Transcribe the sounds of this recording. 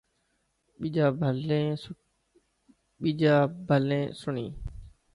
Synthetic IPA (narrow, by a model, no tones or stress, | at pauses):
ɓid͡ʒaːbʱlẽː | ɓiːd͡ʒaːbʱəlẽːsʊɳiː